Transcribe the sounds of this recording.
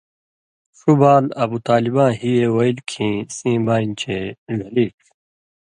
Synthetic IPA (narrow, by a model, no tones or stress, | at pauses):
ʂubaːlɐbut̪aːlibãːɦijewɐilkʰĩːsĩːbaːint͡ɕʰezʱɐliːʈ